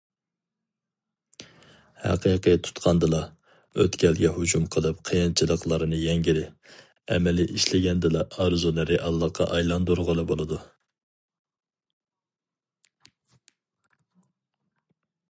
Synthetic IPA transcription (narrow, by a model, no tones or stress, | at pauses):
hæ̰qʰəjqət̪ʰu̥t̪qʰɑnd̪ɨlˠɑ | ø̰t̪kʲʰɛlɡʲɛɦud͡ʒumqʰəlˠɨp̚qʰəjɑnt͡ʃʰilˠəqlˠɑɾɨnɨjɛŋɡʲiɾɪ | ɛ̰mɛlɪʔiʃlɪɡʲɛnd̪ɨlˠɑɑɾzunɪɾɪʔɑlˠːɑqʰːɑ̰ʔɑjlˠɑnd̪uɾʁʊlˠɨbolˠɨd̪u